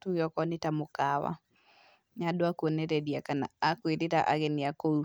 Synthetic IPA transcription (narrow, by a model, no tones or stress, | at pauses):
tuɣjɔkɔnɪtamokawa̰ | ɲadoakonɛɾɛdiakana̰akweɾeɾa̰ʔa̰ɣɛnɪakou